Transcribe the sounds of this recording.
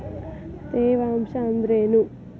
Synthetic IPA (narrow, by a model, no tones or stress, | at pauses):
t̪eːʋaːmʃaːnd̪ɾeːnu